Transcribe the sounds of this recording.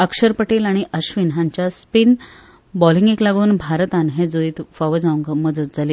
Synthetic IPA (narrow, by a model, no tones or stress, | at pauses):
əkʂəɾpəʈelaɽ̃iʔəɕʋinɦãɲt͡ɕjaspin | bɔliŋɡeklaɡuːnbʱaɾt̪anɦẽd͡zoit̪faʋəd͡zauŋɡəməd͡zət̪̚d͡zʱaleː